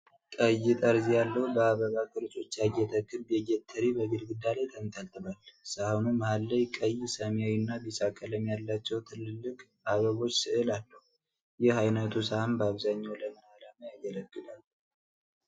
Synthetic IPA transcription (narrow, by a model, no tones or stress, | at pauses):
kʼəjːɪt̪ʼəɾzijalːəhubəaβəβakʰʼɨɾt͡ʃʼo̞t͡ʃːajɛt̪ʰəkʼːɨɾbjɛɡɛt̪ʰːəɾibəɡɨlɡɨd̪alajt̪ʰənt̪ʰalt̪ʰʼɨβalsahunuməhalːəjkʼəjsəmjawinːabisakʼːələmjalːat͡ʃːɛwt̪ʰɨlɨlːɨkʼ | aβəβo̞t͡ʃːsɨʔɨlalːəhu | jɪhajnət̪ʰusahambəaβzaɲːawləmɨnalaməjaɡələɡːɨd̪al